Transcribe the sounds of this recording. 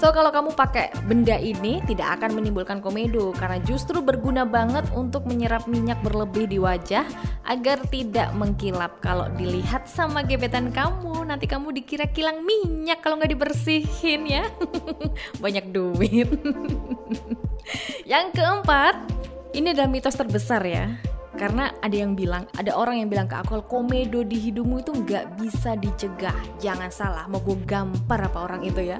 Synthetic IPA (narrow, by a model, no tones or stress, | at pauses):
sokalokamupakɛbəndaʔinit̪ida̰ka̰kanmənimbulkankomedokarnad͡ʒust̪ɾubərɡunabaŋət̪unt̪ʊk̚məɲəɾap̚miɲak̚bərləbɪhdiwad͡ʒahʔa̰ɡart̪ida̰ʔməŋkilap̚kalo̰diliɦat̪̚samaɡebet̪ankamunant̪ikamudikiɾakilaŋmiɲakːalowŋɡaʔdibərsihɪnja | baɲak̚duwɪt̪̚ | jaŋkəəmpat̪̚iniadaləmit̪ɔst̪ərbəsarja̰kaɾənaadajaŋbilaŋa̰daʔoɾaŋjaŋbilaŋka̰ʔa̰kukalokomedodiɦidup̚muit̪uŋɡaʔbisadit͡ʃəɡahd͡ʒaŋansalahmaboɡamparapaoɾaŋit̪uja